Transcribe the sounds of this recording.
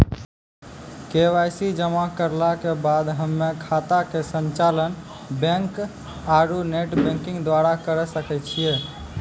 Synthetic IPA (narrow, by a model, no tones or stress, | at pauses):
keʋajsid͡ʒəmakəɾlakebad̪ɦəmːekʰat̪akesəɲt͡ʃalən | bɛ̃ŋk | aɾuneʈbɛ̃ŋkɪ̃ŋɡd̪waɾakəɾɛsəkɛt͡ʃʰie